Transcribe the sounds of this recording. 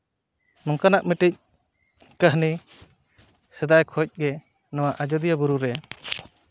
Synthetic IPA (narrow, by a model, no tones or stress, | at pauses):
nɔŋkanaʔ̚mɛʈic̚ | kaɦni | sɛd̪ajkʰɔc̚ˀɡɛ | nɔwaʔad͡ʒɔd̪ijabuɾuɾɛ